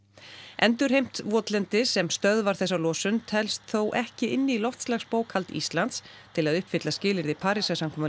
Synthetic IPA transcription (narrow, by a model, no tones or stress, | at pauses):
ʔɛnt̪ʏɾhejm̥t̪vɔːt̪lɛnt̪ɪsɛmst̪œðvaɾ̥θɛs̬ːalɔːsʏnt̪ʰɛlst̪θowʔɛhcɪɪnːɪilɔft̪slaxspoːwkhalt̪ḭst̪lant̪st̪ʰɪlaðʏhpfɪt̪lascɪːlɪɾðɪpʰaːɾisasamkʰɔːmʏ